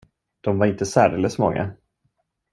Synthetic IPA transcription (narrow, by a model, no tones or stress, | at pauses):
d̪̥ɔmvaɾɪnt̪əsæːɾɛləsmɔŋːa̰